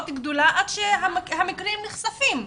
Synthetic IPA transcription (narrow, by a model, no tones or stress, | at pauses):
ot̪ɡd̪olaʔad̪ʃeɦamhamikʁimniχsafim